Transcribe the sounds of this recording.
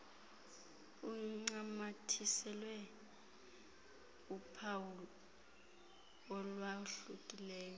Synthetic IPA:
uŋ͡ǀamatʰisɛlwɛ | upʰawulɔ | ɔlwaɬukʼilɛːjɔ

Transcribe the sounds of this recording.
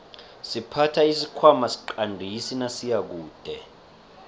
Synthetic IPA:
sipʰatʰaisikʰwamasi̥ǃandʱisinasijak̬uːd̥ʱɛ

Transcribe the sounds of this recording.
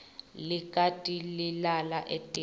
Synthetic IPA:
likʼatʼililalaʔetʼi

